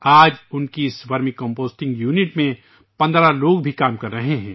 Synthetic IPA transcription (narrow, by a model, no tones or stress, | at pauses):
aːd͡ʒʊnkisʋɐɾmikɔ̃mpoːsʈɪ̃ŋɡjuːnɪʈmẽ | pɐ̃nd̪ɾaloːɡbʱikaːmkɐɾːɐɦeɦɛ̃ː